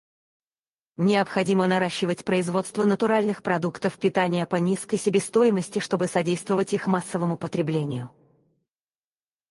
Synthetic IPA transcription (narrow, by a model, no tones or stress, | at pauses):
nʲɪəpxɐdʲimənɐɾaɕːɪvətʲpɾəɪzvo̞t̪st̪vənət̪ʊɾalʲnɨxpɾɐd̪ukt̪əfpʲɪt̪anʲɪjəpɐnʲiskəjsʲɪbʲest̪o̞jɪməsʲtʲɪʂt̪o̞bɨsɐdʲejst̪vəvətʲixmasːəvəmʊpət̪ɾʲɪblʲenʲɪjʊ